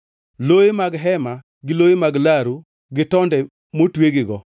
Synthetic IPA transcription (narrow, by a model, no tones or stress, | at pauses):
loemaɡɦɛma | ɡɪloemaɡlaɾu | ɡɪtɔndɛ | motweɡɪɡɔ